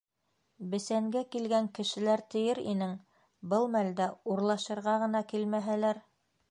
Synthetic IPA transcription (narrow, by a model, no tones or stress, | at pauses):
bɘ̆sæŋɡækilɡæŋkɘ̆ʃɘ̆læɾt̪ɘ̆jɘɾḭnɘŋ | bɤlˠmæld̪æuɾlˠɑʃɤ̆ɾʁɑʁɤ̆nɑkilmæɦælæɾ